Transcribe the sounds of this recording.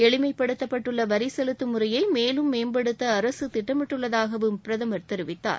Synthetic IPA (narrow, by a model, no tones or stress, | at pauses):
ɛɭɪmɐɪpːɐɽɯt̪ːɐpːɐʈːɯɭːɐʋɐɾɪsɛlɯt̪ːɯmɯɾɐjɐɪmeːlɯmːeːnbɐɽɯt̪ːɐːɾɐsɯt̪ɪʈːɐmɪʈːɯɭːɐðaːɣɐʋɯmpɪɾɐðɐmɐɾt̪ɛɾɯʋɪt̪ːa̰ːɾ